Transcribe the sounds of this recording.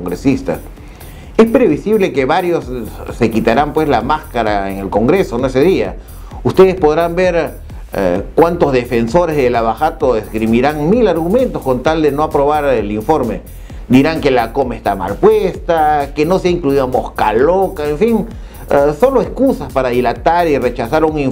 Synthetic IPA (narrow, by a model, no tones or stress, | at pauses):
oŋɡɾesist̪a̰s | e̞spɾeβisiβle̞keβaɾjo̞sse̞kit̪aɾampwe̞slamaskaɾaeŋe̞lko̞ŋɡɾe̞so̞noeseðia | ust̪eð̞espo̞ð̞ɾambeɾ | kwant̪o̞zðe̞fe̞nso̞ɾezðelaβaxat̪oeskɾimiɾaŋmilaɾɣumẽ̞nt̪o̞sko̞nt̪ald̪e̞noapɾo̞βaɾeliɱfo̞ɾme̞ | d̪iɾaŋke̞lako̞mest̪ama̰lpwest̪ake̞no̞seaiŋkluiðamo̞skalokaeɱfiŋ | so̞lo̞eskusaspaɾaðilat̪aɾire̞t͡ʃasaɾuŋiɱ